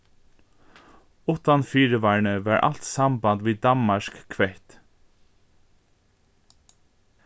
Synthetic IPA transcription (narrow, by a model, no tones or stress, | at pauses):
ʊt̪anfiːɹəʋɑːɹɳəʋɑːɹʔa̰l̥t̪sɑmbɑnd̪ʋiːd̪ɑnmɑʃkkʰʋɛɪt̪